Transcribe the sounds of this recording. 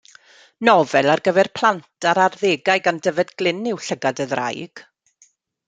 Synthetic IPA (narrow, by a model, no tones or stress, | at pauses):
nɔvɛlˠarɡəvɛrpʰl̥ˠantʰaɾarðeːɡajɡandəvɛdɡlˠɪnɪwɬəɡadəðra̰jɡ̥